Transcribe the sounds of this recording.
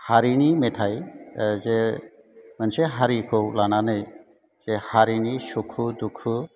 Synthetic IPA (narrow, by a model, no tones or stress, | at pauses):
haɾinimetʰajze | manseɦaɾikʰowlananɯj | z̥ehaɾinisukʰud̪ukʰu